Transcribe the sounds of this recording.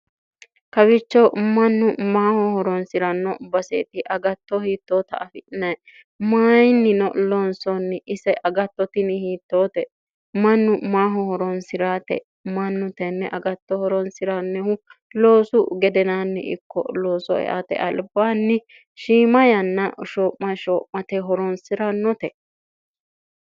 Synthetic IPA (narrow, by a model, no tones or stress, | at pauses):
kɐbɪt͡ʃːɐwmɐnːʊmaːhɔhɔɾɔnsɪɾɐnːɔbɐsḛːt̪ɪʔɐɡɐt̪ːɔhiːt̪ːoːt̪ɐ̰ʔɐfɪʔɪnɐj | maːjnːɪnɔloːnsɔnːɪʔɪsɛʔɐɡɐt̪ːɔt̪ɪnɪhiːt̪ːo̞ːt̪ɛ | mɐnːʊmaːɦɔhɔɾɔnsɪɾaːt̪ɛ̰ | mɐnːʊt̪ɛnːɛʔɐɡɐt̪ːɔhɔɾɔnsɪɾanːɛhʊlo̞ːsʊɡɛd̪ɛnaːnːɪ̰ʔɪ̰kːɔ̰lo̞ːsɔɛ̰ʔa̰ːt̪ɛ̰ʔɐlbaːnːɪ | ʃiːmɐjɐnːɐʃoːpmɐʃɔːpmɐt̪ɛɦɔɾɔnsɪɾɐnːɔt̪ɛ